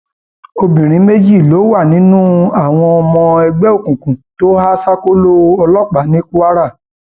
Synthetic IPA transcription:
o˧bĩ˨ɾ̃ĩ˨˦me˦d͡ʒi˦˨lo˨˦wa˦˨nĩ˨˦nũ˦a˦˨w̃ɔ̃˧ɔ˧mɔ̃˧ɛ˧ɡ͡bɛ˦o˦˨kũ˨kũ˨to˦ha˦sa˦ko˦lo˦ɔ˧lɔ˦˨k͡pa˨˦nĩ˦ku˦a˦ɾa˦˨

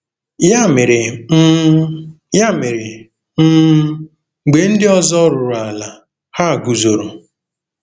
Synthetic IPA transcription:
ja˦mɪ˨ɾɪ˨˦ | ja˦mɪ˨ɾɪ˨ | m̩˦ | ŋ͡m̩˨ɡ͡be˨n̩˦dɪ˦ɔ˦zɔ˦ɾʊ˨ɾʊ˨a˨la˨ | ha˦˨ɡu˨zo˨ɾo˨

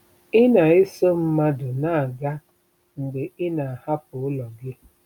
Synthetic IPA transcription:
ɪ˦na˨ɪ˦so˦m̩˦ma˦dʊ˨na˦˨a˨ɡa˦ | ŋ̩˨ɡ͡be˨ɪ˦na˨a˨ha˦pʊ˨ʊ˦lɔ˨ɡɪ˦

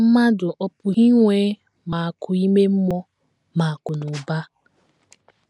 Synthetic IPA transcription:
m̩˦ma˦dʊ˨ʔɔ˦pʊ˨ɣi˦ŋʷeː˦ | ma˨a˨kʊ˨i˦me˦m̩˦mɔ˦ | ma˨a˨kʊ˨nʊ˨ba˦

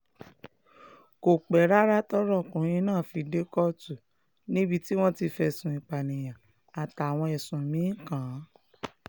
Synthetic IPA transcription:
ko˨k͡pɛ˨˦ɾa˦ɾa˦tɔ˦ɾɔ˦˨kũ˨˦ĩ˧˦nãː˦˨fi˧de˦kɔ˦˨tu˨ | nĩ˦bi˧ti˦w̃ɔ̃˦ti˧fɛ˧˨sũ˨ĩ˨k͡pa˨nĩ˨j̃ã˨ | a˨ta˨a˨w̃ɔ̃˧ɛ˨sũ˨mĩ˨˦kã˨˦

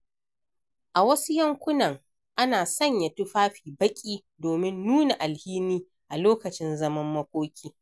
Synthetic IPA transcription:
ʔa˨wɐ˦su˦jɐ˦ŋkʷʊ˦nɐ˨ŋ | ʔa˦naː˨sɐ˦˨ɲja˨tʊ˦ɸaː˦ɸiː˨bɐ˦kʲʼiː˦ | doː˨mɪ˦nːuː˦na˨ʔa˨lhiː˦niː˦ | ʔa˨loː˦kɐ˨t͡ʃɪ˦nzɐ˦mɐ˦mːɐ˦kʷʼoː˦kʲiː˦

